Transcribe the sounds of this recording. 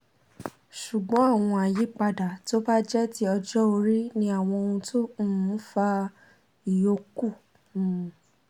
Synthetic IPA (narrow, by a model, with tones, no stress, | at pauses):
ʃu˨ɡ͡bɔ̃˨˦a˦˨w̃ɔ̃˧a˨ji˨˦k͡pa˧da˨to˦ba˦d͡ʒɛ˦ti˦ɔ˧d͡ʒɔ˦o˧ɾi˦nĩ˦a˦˨w̃ɔ̃˧o˧ũ˧tʰõ˦˨˦fa˧ | i˨jo˧kũ˦˨